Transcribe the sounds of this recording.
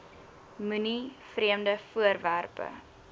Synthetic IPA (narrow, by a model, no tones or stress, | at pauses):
mʉnifriəmdəfuərværpə̰